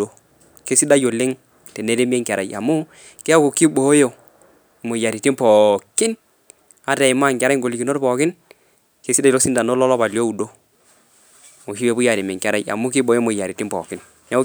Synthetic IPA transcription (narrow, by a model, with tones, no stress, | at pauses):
o˦ | ke˦si˦da˦jo˨lɪ˦ŋ | te˨ne˦ɾe˦m˦e˦ŋkɛ˨ɾa˨ja˨mʊ˦ | ke˦a˦ko˨ki˦bo˨˦jo˨ | mo˨ja˨ɾi˨ti˦mpɔ˨kɪ˦n | a˦tɛ˨ɪ˨ma˦˨ŋkɛ˨ɾa˦ŋɡo˨li˨ki˨no˦ɾpɔ˨kɪ˦n | ke˦si˦da˦jlo˦si˦nda˨no˦lɔ˦lɔ˦pa˨ljo˦u˨do˦˨ | mo˨ki˦e˨˦pu˦ja˨ɾi˨mɛ˨ŋka˨ɾa˦ja̰˨mʊ˦k̬ɪ˦bo˨˦jo˦mo˨ja˨ɾi˨ti˦pɔ̰ː˨kɪ˦n | ja˦